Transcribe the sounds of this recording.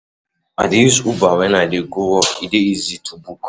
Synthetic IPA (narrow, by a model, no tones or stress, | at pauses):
a̰disubawɛnadeɡowɔkideizitʰubuk